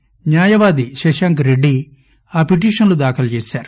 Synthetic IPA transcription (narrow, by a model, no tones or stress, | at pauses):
ɲjaːjɐʋaːd̪iʃɐʃɐŋkɾeɖːi | aːpiʈ̬iːʂɐnlud̪aːkʰɐlɐt͡ʃeːsaːɾu